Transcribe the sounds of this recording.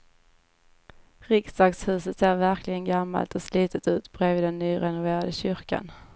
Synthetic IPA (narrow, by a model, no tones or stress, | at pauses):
ɾɪksd̪ɑːɡshʉ̟ːsət̪seːɾvæɾklɪɡənɡamːa̰lt̪ɔsliːt̪ət̪ʉ̟ːt̪b̥ɾeːviːd̪ɛnːyːɾɛnʊveːɾad̪əɕʏɾka̰n